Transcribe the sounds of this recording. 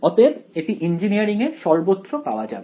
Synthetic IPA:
ɔt̪ebeʈiʔind͡ʑinijaɾiŋeʃɔɾbot̪ːʃopaoad͡ʑa̰be

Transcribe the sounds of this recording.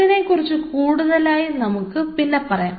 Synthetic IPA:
ine̞kːurit͡ɕːɨkuːɽuðɐlaːjinɐmukːɨpinːepɐrɐja̰ː

